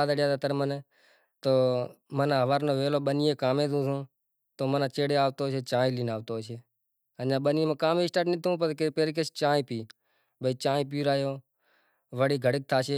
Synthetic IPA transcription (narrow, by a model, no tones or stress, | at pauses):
aːd̪aɽjaːd̪aːt̪əɾməneː | t̪oːmənãːɦəʋaːɾnoːʋeːloːɓənɪjeːkaːmẽːt̪ũːũː | t̪oːmənãːt͡ʃeːɽeːaːʋt̪oːʃeːt͡ʃãːĩːliːnaːʋt̪oːʃeː | ənd͡ʒãːɓənjẽːmə̃ːkaːmẽːɪsʈaːʈnɪt̪ʰũːpəɾkepeːɾket͡ʃt͡ʃãːĩːpiː | bəiːt͡ʃãːĩːp̬iːɾaːjoː | ʋəɽiːɡʱəɽɪk̚t̪ʰaːʃeː